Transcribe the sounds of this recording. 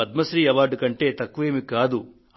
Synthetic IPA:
ɐd̪̚mɐsɾiːɐʋaːɾɖkɐɳʈe̞ːt̪ɐkːuʋeːmikaːd̪u

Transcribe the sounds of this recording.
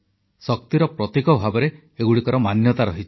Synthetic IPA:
sɔk̚t̪iɾɔpɾɔt̪ikɔbʱabɔɾe | eɡuɽikɔɾɔmanjɔt̪aɾɔɦit͡ʃʰi̥

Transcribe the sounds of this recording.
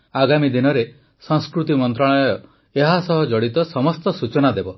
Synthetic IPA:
aɡamid̪inɔɾe | sɔ̃ŋskɾut̪imɔnt̪ɾaɭ̃ɔɔjɔ | eɦasɔɦɔd͡ʒɔɽit̪ɔsɔmɔst̪ɔsut͡ʃɔnad̪ebɔ

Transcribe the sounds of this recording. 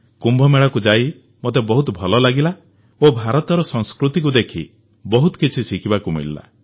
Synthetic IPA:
kumbʱɔmeɭɔkud͡ʒai | mot̪ebɔɦut̪ɔbʱɔlɔlaɡila | obʱaɾɔt̪ɔɾɔsɔŋskɾut̪ik̬ud̪ekʰi | bɔɦut̪ɔ̥kit͡ʃʰisikʰibakumḭlla̰

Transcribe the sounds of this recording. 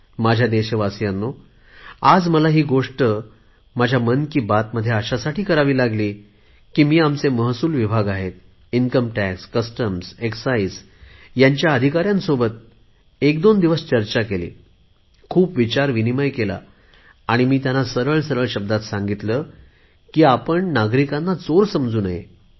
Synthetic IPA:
mad͡ʑʱjad̪eɕeʋasjanːo | ad͡zməlaɦiːɡoʂʈə | mad͡ʑʱjamənkiːbat̪məd̪ʱːjeaɕasaʈiːkəɾaʋiːlaɡliː | kiːmiːamt͡seməɦsuːlʋibʱaɡaɦet̪̚ | iŋkəmʈækskəsʈəmseksais | jaɲt͡ɕjaəd̪ʱikaɾjãnsobət̪̚ | ekd̪ond̪iʋəst͡ɕəɾt͡ɕakelḭː | kʰuːpʋit͡ɕaɾʋiniməjkela̰ | aɽ̃imiːt̪janːasəɾəɭsəɾəɭɕəb̚d̪at̪sãŋɡit̪lə | kiːapəɳnaɡɾikanːat͡soɾsəmd͡zuːnaɦḛ

